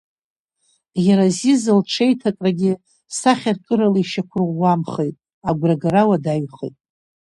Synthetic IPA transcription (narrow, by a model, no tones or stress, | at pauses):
jaɾazizɨlʈ͡ʂʰejtʰakʼraɡʲɪ | saχʲarkʼɨɾalaiʃakʷʰʊrʁʷːamχejtʼ | aɡʷraɡaɾawadaɥχḛjtʼ